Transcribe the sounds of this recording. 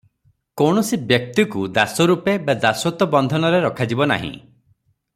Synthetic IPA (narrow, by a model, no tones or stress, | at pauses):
kɔwɳ̃ɔsibjɔk̚t̪ikud̪asɔɾupebad̪asɔt̪ɔbɔnd̪ʱɔnɔɾeɾɔkʰad͡ʒibɔna̰ɦḭ̃